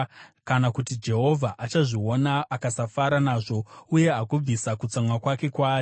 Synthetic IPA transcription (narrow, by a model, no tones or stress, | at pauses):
kanakutid͡ʒe̞ɦo̞vʱaʔat͡ʃaʐio̞naːkasafaɾanaːʐo̞uje̞ɦakub͡visakut͡samwakwake̞kwaːji